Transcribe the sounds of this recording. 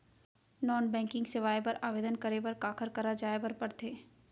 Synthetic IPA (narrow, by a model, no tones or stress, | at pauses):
nɔːnbɛ̃ːŋkɪ̃ŋɡseʋaːjpɐɾaːʋeːd̪ənkɐɾepɐɾkaːkʰəɾkɐɾad͡ʒaːebɐɾpɐɾt̪ʰeː